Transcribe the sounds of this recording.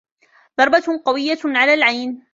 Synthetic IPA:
ðɑɾˤbaqɑwɪjːaʕalaːlʕajn

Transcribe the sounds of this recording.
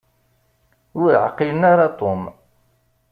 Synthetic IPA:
ʊɾʕ̰qːilənaɾɑt̪ˤom

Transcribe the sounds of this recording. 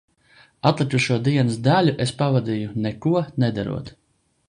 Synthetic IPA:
at̪lˠikuʃuɔd̪iɛnɨsd̪alʲuʔespavad̪ʲijunɛkuɔned̪a̰ɾṵɔt̪

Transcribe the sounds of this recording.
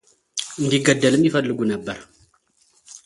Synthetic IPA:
ndiɡadːaləmifadluɡunabːaɾ

